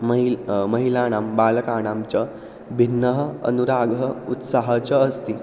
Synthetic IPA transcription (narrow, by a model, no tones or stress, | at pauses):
mməɦilaɽ̃ambaləkaɽ̃amt͡ɕa | bʱinːəɦəə̰nuɾaɡʱəut̪saɦat͡ɕəːst̪i